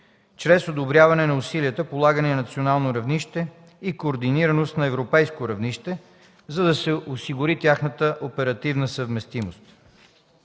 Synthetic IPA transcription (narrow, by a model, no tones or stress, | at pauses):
t͡ʃɾɛsod̪obɾʲjavɐnɛnɐʊsiliət̪əpolˠaɡənɛnɐt̪sionalˠnoɾɐvniʃt̪ɛ | ikoːɾd̪iniɾɐnost̪nɐɛvɾopɛjskoɾɐvniʃt̪ɛ | zɐd̪ɐsɛʔosiɡʊɾit̪ʲjaxnət̪əʔopɛɾɐt̪ivnəsəvmɛst̪imost̪